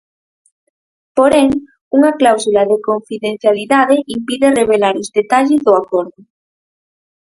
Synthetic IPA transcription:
poɾeŋ | uŋaklawsulað̞ekoɱfiðẽn̟θjaliðað̞eimpiðereβ̞elaɾozðet̪aʎezðoakoɾðʊ

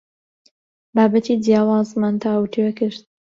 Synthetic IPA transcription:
baːbat̪ʰid̪jaːwaːzmant̪ʰaːwtʰewɛkɪɾt̪̚

